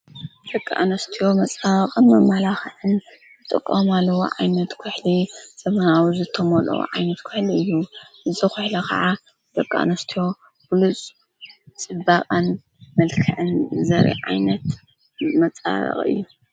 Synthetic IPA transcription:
d̪̥ɐkʼːa̰nɐst̪ʰijo̞mɐt͡sʼaβɐqʼɨnmɐmalaxɐʕɨn | zɨt̪ʼɨ̰kʼːomalːɐwo̰ʕa̰jnɐt̪kʰʊħliz̥ɐmɐnawizɨt̪ʰːɐmolo̰w̰ʕajnɐt̪kʰʊħliɨjːuʔɨzixʊħlɐkʰa̰ʕa | d̪̥ɐkʼːa̰nɐst̪ʰijo̞ | b̥ɨlu | t͡sʼɨbːaqʼan | mɐlkʰɐʕɨnzɐɾḭʕa̰jnɐt̪ | mɐt͡sʼa̰βɐ̰χʼɨ̰jːu

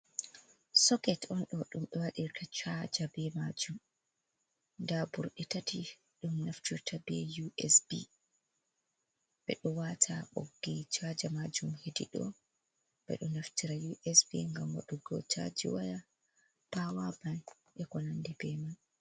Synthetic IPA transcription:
sɔkɛtɔnɗɔɗumɓɛwaɗiɾtʰat͡ʃad͡ʒabɛmad͡ʒum | ndabuɾɗitati | ɗumnaftiɾtʰabɛjuʔɛsbḭ | ɓɛ̰ɗɔwatʰaɓo̰ɡːit͡ʃad͡ʒamad͡ʒumhedḭɗɔ̰ | ɓɛ̰ɗɔnaftiɾajuʔɛsbḭŋɡamwa̰ɗuɡɔ̰t͡ʃa̰d͡ʒḭwaja | pawaban | ʔɛkɔnandɛbɛman

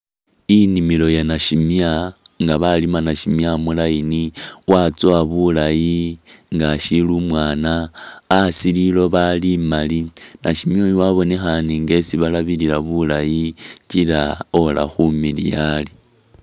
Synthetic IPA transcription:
inimilo̞jenaʃimiaŋɡaβalimanaʃimjamulainiwat͡soaβulajiŋɡaʃilumwaːnaː | sililo̞βalimalinaʃimjojiwaβo̞nexaniŋɡe̞siβalaβililaβulajicilao̞la̰xumilḭjali

